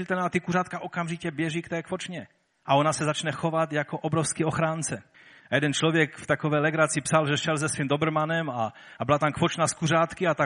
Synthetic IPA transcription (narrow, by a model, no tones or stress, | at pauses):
lt̪ɛnaat̪ɪkuɾaːt̪̚kaʔokamʒicɛbjɛʒikt̪ɛːkfot͡ʃɲɛ | ʔaonasɛzat͡ʃnɛxo̞vat̪jakoʔobɾofskioxɾaːnt͡sɛ | ajɛdɛnt͡ʃlovjɛkft̪akovɛːjlɛɡɾat͡sɪpsalʒɛʃɛlzɛsvimd̪obr̩manɛma | bɪlat̪amkfo̞t͡ʃnaskuraːt̪kɪat̪a